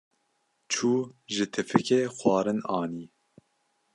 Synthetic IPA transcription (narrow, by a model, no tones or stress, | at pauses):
t͡ʃʰuːʒɨt̪ʰɨfɨkeːxwɑːɾɨnɑːniː